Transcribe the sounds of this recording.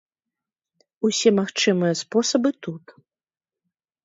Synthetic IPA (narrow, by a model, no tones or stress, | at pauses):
usʲɛmaxt͡ʂɨmɨjɐspɔsɐbɨt̪ut̪